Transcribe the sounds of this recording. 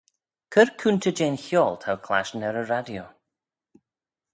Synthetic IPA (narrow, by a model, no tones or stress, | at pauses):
kʰəɾkʰunt̪ʰəd͡ʒeːnçjɔːlt̪ʰawkʰla̰ʃnɛɾəɾadjo